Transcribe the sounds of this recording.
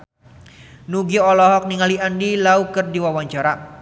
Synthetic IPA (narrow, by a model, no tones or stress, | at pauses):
nuɡiɔlɔɦɔk̚niŋaliandilaukərdiwawaɲt͡ʃaɾa